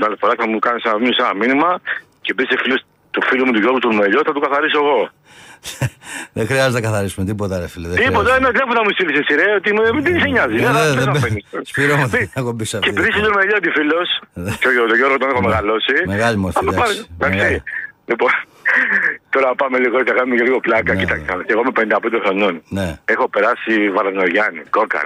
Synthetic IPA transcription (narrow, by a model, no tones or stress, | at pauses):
nɐlefoɾɐkθɐmukɐnisenɐmisenɐminimɐ | cebisefilos | t̪ufilumut̪uʝoɾɣut̪uɾmeʎoθɐt̪ukɐθɐɾisoeɣo | ðexɾiɐzoznɐkɐθɐɾisumet̪ipot̪ɐnefiloðet̪ipot̪ɐnelepuθɐmust̪ilisesiɾeot̪imumd̪iniseɲɐzineðeðeɐfenisspiɾomuekobisɐfcepɾisit̪umeʎot̪ifilosðt̪ot̪oʝoɾɣot̪onexomeɣɐlosimeɣɐʎimoɾfθɐimet̪ɐpɐst̪ɐkssilipon | t̪oɾɐpɐmeliɣoθɐkɐnumeeliɣoplɐkɐcit̪ɐksiɐet̪eɣomepend̪ɐpnd̪exɾo̞nonneexo̞peɾɐsivɐɾðnoʝɐnḭkokɐ̰ɾ